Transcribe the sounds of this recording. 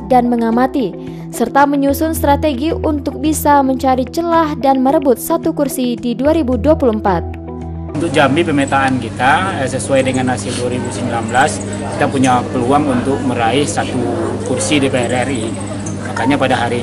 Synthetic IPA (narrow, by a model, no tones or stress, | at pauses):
danməŋamat̪i | sərt̪aməɲusʊnst̪ɾat̪eɡiunt̪ʊk̚bisaməɲt͡ʃaɾit͡ʃəlahdanməɾəbʊt̪̚sat̪ukursididuaɾibuduapuluəmpat̪̚ | unt̪ʊk̚d͡ʒambipəmet̪aʔːnkit̪as̬əsuajdəŋanːasiduaɾibusəmbilamblas | ki̥t̪apuɲapəluaŋunt̪ʊk̚məɾaɪhsat̪ukursidipeɛrɛri | makaɲapadaɦaɾi